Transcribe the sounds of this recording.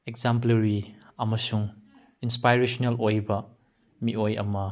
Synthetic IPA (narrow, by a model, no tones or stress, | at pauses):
ekzampleɾiɐmɐsuŋ | inspajɾesonelojbɐ | miʔojɐ̰mɐ